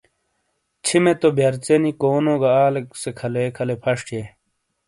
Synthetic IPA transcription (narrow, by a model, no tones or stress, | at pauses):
t͡ɕʰimet̪obʱjɐɾt͡senikoːnoːɡaaːleksekʰɐlekʰɐlepʰɐʂʈʰje